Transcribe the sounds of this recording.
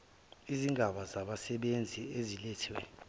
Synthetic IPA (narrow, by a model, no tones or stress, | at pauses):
iziŋɡʱaɓazaɓasɛɓend͡zʱiezileːtʰiwɛ̰